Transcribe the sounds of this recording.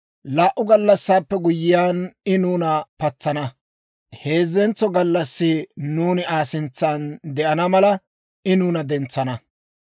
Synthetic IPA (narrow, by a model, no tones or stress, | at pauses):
laːʔʊɡɐlːɐsːaːpːɛɡʊjɪjaːnɪnuːnɐpɐt͡sːɐnɐ | he̞ːzɛnt͡sːɔɡɐlːɐsːɪnuːnɪaːsɪnt͡sːaːnd̪ɛʔɐnɐmɐlɐ | ɪnuːnɐd̪ɛnt͡sːɐnɐ